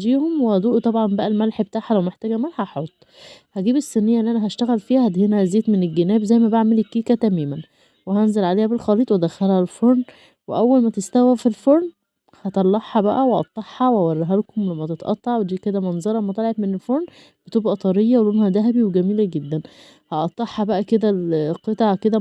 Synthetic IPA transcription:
d͡ʒiːhomwehæd̪uːʔt̪ˤɑbʕɑmbæʔælmælħbet̪aːħhælæwmeħt̪æːɡæmælhɑħot̪ˤː | hæɡiːbesːenːejːæʔenːʔænæɦæʃt̪æɣælfiːhæhæd̪henæzeːt̪menelɡenæːbzæjːmæbaʕmelekːiːkæt̪æmæːmæn | weɦænzelʕaleːhæbelxɑliːt̪ˤwed̪æxælhælfoɾˤn | weʔæwːælmæt̪est̪æwæfilfoɾˤn | hɑt̪ˤɑlːɑħːɑbæʔæweʔɑ̰t̪ˤːɑħːɑwæwɑrˤːɑɦælkomlæmːæt̪et̪ʔɑ̰t̪ˤːɑʕwed̪iːked̪æmɑnzˤɑɾˤɑmːæt̪elʕebmenelfoɾˤn | bet̪uːbʔɑt̪ˤɑɾejːɑwelonhæd̪æɦæbiweɡæmiːlæɡed̪ːæn | hɑʔɑt̪ˤːɑħːɑbæʔæked̪ælqet̪ɑʕked̪æ

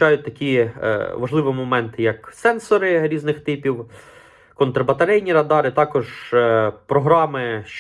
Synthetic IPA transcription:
ɑjʊt̚ʲt̪ɐkʲiʋɐʒlˠɪʋɪmɔmɛnt̪ɪjɐksɛnsɔɾɪɾʲiznɪxt̪ɪpʲiw | kɔnt̪ɾɐbɐt̪ɐɾɛjnʲiɾɐd̪ɑɾɪt̪ɑkɔʒ | pɾɔɦɾɑmɪʃ

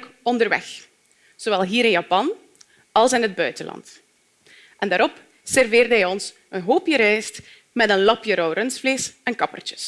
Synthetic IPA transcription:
kɔndərʋɛ̰x | z̥oʋɛlˠɦiːɾɪnjɑpɑn | ɑlˠsɪnɦəd̚bœɥtəlɑ̰nt | ʔɛndaːɾɔp | sɛrveːrdəɦɛjɔns | ənɦoːpjəɾɛjst | mɛtənlɑpjəɾɔwrənsfleːsɛnkɑpə̰rt͡ʃə̥s

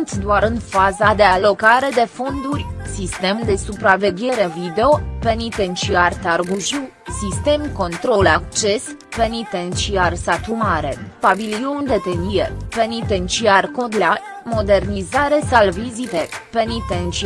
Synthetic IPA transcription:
nt̪sʲd̪oaɾɨnfazad̪e̞alo̞kaɾe̞d̪e̞fo̞nd̪urʲsist̪e̞md̪e̞supɾave̞ɡʲe̞ɾe̞vid̪e̞o̞pe̞nit̪e̞nt͡ʃiart̪arɡuʒiw | sist̪e̞mko̞nt̪ɾo̞lak̚t͡ʃe̞spe̞nit̪e̞nt͡ʃiarsat̪umaɾe̞paviliond̪e̞t̪eniepe̞nit̪e̞nt͡ʃiarkod̪la | mo̞d̪e̞rnizaɾe̞salvizit̪epe̞nit̪ent͡ʃi

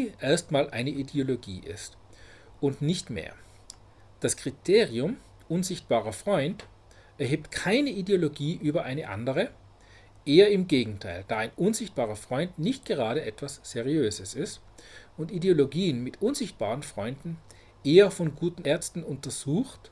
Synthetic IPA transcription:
iʔeːɐstmaːlʔa̰ɪnəʔideoloɡḭːʔɪ̰st | ʊntnɪçtmḛːɐ | d̥askʁ̥itʰeːʁiʊm | ʔʊnzɪçt̚b̥aːʁɐfʁ̥ɔʏnt | ɛɐɦeːp̚tkʰaɪnəʔideoloɡiːʔyːbɐʔaɪnəʔa̰ndəʁ̞ə | ʔeːɐɪmɡeːɡŋ̩tʰaɪld̥aːaɪnʔʊnzɪçt̚b̥aːʁɐfʁ̥ɔʏntnɪçt̚ɡ̥əʁ̞aːɾəʔɛtv̥asz̥ɛʁiøːzəsɪstʊntideoloɡiːənmɪtʔʊnzɪçt̚b̥a̰ːʁənfʁ̥ɔʏndn̩ | ʔeːɐfɔnɡuːtn̩ɛɐt͡stn̩ʊntɐz̥uːxt

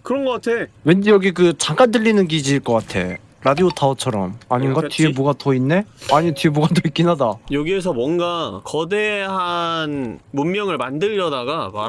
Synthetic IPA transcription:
kɯɾʌnɡʌk͈atʰe̞wendijʌɡikɯt͡ɕaŋk͈andɯʎːinɯnɡid͡ʑiɭk͈ʌk͈atʰe̞̰ | ɾadiotʰaʌt͡ɕʰʌɾʌ̰maɲiŋɡatɥiemuɡatʌinːe̞aɲitɥiemuɡatʰʌik͈inɦadajʌɡies̬ʰʌmwʌnɡakʌdeɦanmumːjʌŋɯɭmandɯɾɾʌdaɡam

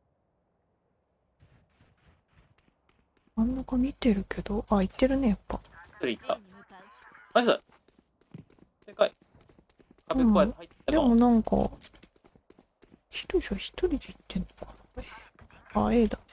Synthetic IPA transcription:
mãnːakɑmʲit̪e̞ɾɯ̟ke̞d̪̥o̞ʔait̪ːe̞ɾɯ̟ne̞japːɑ̰̥t̪oɾʲiit̪ːa | aa̰ | kai | ɯ̃ | d̪emo̞nãŋkɑ̰ | çi̥t̪oiɕoçi̥t̪o̞ɾʲid̪eit̪ːẽ̞nːokɑ̥n | ae̞ːd̪a

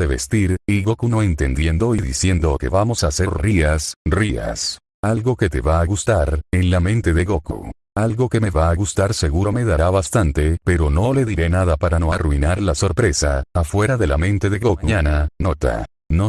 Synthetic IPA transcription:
ðeβe̞st̪iɾiɣokunoe̞nt̪e̞nd̪jend̪o̞iðḭsje̞nd̪oke̞̰βamo̞saseriasria̰s | alɣo̞ke̞t̪e̞βaːɣust̪aɾenlamẽnt̪e̞ðeɣokṵ | alɣo̞ke̞me̞βaːɣust̪aɾse̞ɣuɾo̞me̞ðaɾaβast̪ant̪e̞pe̞ɾo̞no̞le̞ðiɾe̞naðapaɾanoaruinaɾlaso̞ɾpɾe̞saːfwe̞ɾaðe̞la̰mẽ̞nt̪e̞ðeɣokuɲananot̪a̰ | no

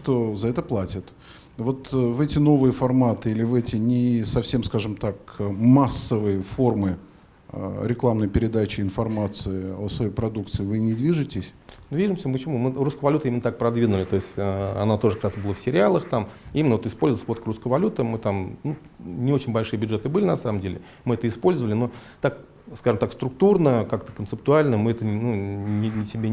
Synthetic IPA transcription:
ʂt̪ozɐɛt̪əplˠatʲɪt̪ | vo̞t̪vɛtʲɪno̞vɨjəfɐrmat̪ɨilʲɪvɛtʲɪnʲɪsɐfsʲemskaʐɨmt̪akəmasːəvɨjəfo̞rmɨ | ə̰ɾʲɪklˠamnəjpʲɪɾʲɪd̪at͡ɕɪɪnfɐrmat̪sɨɪosvɐjejpɾɐd̪uk̚t̪sɨːvɨnʲɪd̪vʲiʐɨtʲɪsʲd̪vʲiʐɨmsʲəmpət͡ɕɪmumɨruskəvɐlʲut̪əimʲɪnət̪ak̚pɾɐd̪vʲinʊlʲɪt̪o̞ɪsʲtʲəɐ̰nat̪o̞ʐəkɐkɾasbɨlˠəfsʲɪɾʲɪalˠəxt̪amimʲɪnəvot̪ɪspolʲzvʲvo̞t̪kəɾuskəjəvɐlʲut̪əmɨt̪amnu | nʲɪo̞t͡ɕɪnʲbɐlʲʂɨjəbʲʊd̪ʐɛt̪ɨbɨlʲɪnɐsaməmdʲelʲɪ | mɨɛt̪əɪspo̞lʲzəvəlʲɪnot̪ak | skaʐɨmt̪akst̪ɾʊk̚t̪urnəkakt̪əkənsɨp̚t̪ʊalʲnəmɨɛt̪ənunʲɪɪsʲɪbʲe

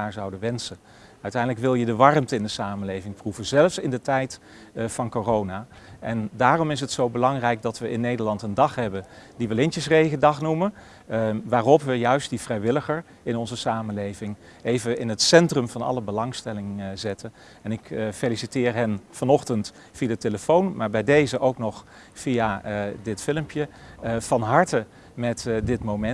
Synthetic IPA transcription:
aːɹzɑwdəʋɛnsən | œɥtɛjndələkʋɪlˠjədəʋɑrəmtəɪndəsaːmənlejvɪŋpruvənzɛlfsɪndətɛjt | fɑnkorownaːʔɛndaːrɔmɪs̬ɦətsowbəlɑŋrɛjk̚dɑtʋəɪnːejdəɹlɑntəndɑχɦɛbəndiʋəlɪntəsrejɣədɑχnumən | ʋaːrɔpʋəjœɥst̚div̥rɛjʋɪləχəɹ | ɪnɔnzəsaːmənlejvɪŋ | ejvəɪnətsɛntrəmv̥ɑnɑ̰ləbəlɑŋstɛlɪŋzɪtən | ɛnɪkfelisitɪːɹɦɛnfɑnɔχtənt | fiadəteləfownmaːɹbɛjdejzəʔowknɔχ | fijadɪtfɪləmpjəv̥ɑnɦɑɹtə | mɛtdɪtmowmɛ

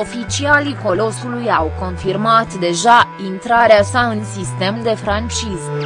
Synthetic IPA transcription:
o̞fit͡ʃialiko̞lo̞sulujawko̞nfirmat̪d̪e̞ʒaint̪ɾaɾeasaɨnsist̪e̞md̪e̞fɾant͡ʃiz

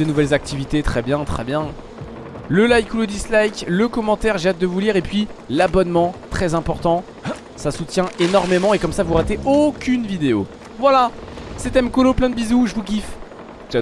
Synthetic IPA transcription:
d̪ənuvɛlzak̚t̪ivit̪et̪χɛbjɛ̃t̪χɛbjɛ̃ | ləlajkuləd̪islajkləkɔmɑ̃t̪ɛʁʒeat̪̚d̪əvuliʁepɥilabɔnmɑ̃t̪χɛzɛ̃pɔʁt̪ɑ̃ | sasut̪jɛ̃ʔenɔʁmemɑ̃ekɔmsavuʁat̪eʔokʲʰynvid̪eo̰ | vwala | set̪ɛmkɔloplɛ̃d̪əbizuʒəvuɡʲif

